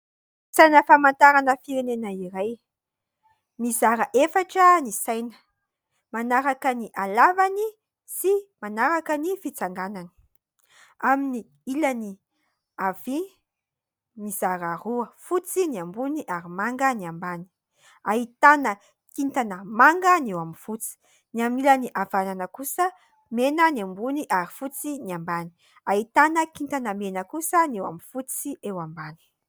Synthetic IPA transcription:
sajnəfamant̪aɾanəfiɾenenəiɾaj | mizaɾəʔefaʈ͡ʂənisajnə̥ | manaɾakəniʔalavani | simanaɾakənifit͡saŋɡanani̥ | amini | ilani | av̥i | mizaɾaɾuəfut͡siniambuniʔaɾimaŋɡəniambani̥ | aɦit̪anə | kint̪anəmaŋɡənewaminfut͡si̥ | niaminilaniʔavananəkusə | menəniambuniʔaɾifut͡siniambani̥ | aɦit̪anəkint̪anəmenəkusənewa̰mifut͡siewambani̥

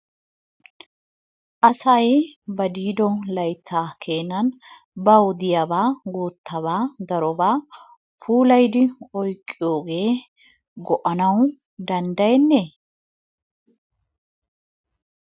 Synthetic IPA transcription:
ʔɐsɐjbɐd̪iːd̪ɔlɐjt̪ːaːkʰe̞ːnːɐn | bɐwʊd̪ɪjɐbaːɡuːt̪ːɐβaːd̪ɐɾɔbaː | pʰuːlɐjd̪ɪɔjkʼːɪjo̞ːɡe̞ː | ɡɔʔɐnɐw | d̪ɐnd̪ɐjɛnːeː

